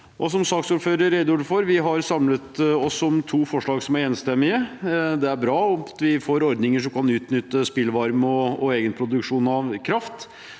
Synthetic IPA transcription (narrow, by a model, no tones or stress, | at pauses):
ʔɔs̬ɔmsɑːksuːɾføːɾəɾɛɪd̪ʊɖfɔɾʋɪɦɑɾsɑmlət̪ɔsɔmt̪ʰuːfɔʂɭɑːɡsɔmæɾeːnst̪ɛmːɪəd̪ɛæɾbɾɑːɔt̪ʋɪfoːɾɔɾd̪nɪŋəʂɔmkɑnʉːt̪nʏt̪ːəspɪlʋɑɾmɔɔeːɡənpʰɾʊd̪ʉkʂuːnɑʋkʰɾɑft̪